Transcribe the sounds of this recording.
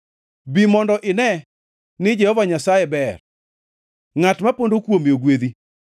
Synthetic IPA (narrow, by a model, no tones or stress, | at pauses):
bimɔndɔʔɪnɛ | nɪd͡ʒɛhɔvaɲasajebɛr | ŋatmapondokwomioɡwed̪i